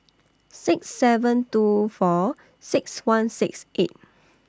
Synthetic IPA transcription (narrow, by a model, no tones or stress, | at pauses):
sɪksːɛvə̃ntufɔ | sɪkswãnsɪksʔet̚